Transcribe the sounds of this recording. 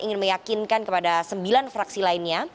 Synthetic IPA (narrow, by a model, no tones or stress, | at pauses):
ʔiŋɪnməjakinkankəpadasəmbilanfɾaksilainɲa